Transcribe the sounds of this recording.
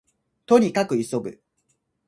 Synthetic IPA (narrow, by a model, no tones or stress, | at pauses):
t̪o̞ɲ̟ikakɯ̟iso̞bɯ̟̰